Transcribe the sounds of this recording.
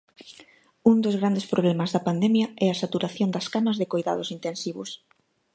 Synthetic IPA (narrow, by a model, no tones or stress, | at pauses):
uŋd̪ozɣ̞ɾand̪espɾoβlɛmɐzðɐpand̪ɛmjɐɛɐsat̪uɾaθjond̪ɐskanɐzðɪkojða̰ðʊsint̪ensiβʊ̰s